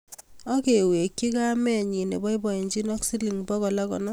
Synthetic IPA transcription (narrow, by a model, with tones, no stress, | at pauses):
ɔ˦ke˨we˨kːi˦ka˦mɛ˦˨ɲi˨ne˨bɔ˦i˦bɔ˨i˨ɲd͡ʒi˦nɔ˦ksi˦li˨ŋbɔ˦kɔ˨la˦kɔ˨nɔ˦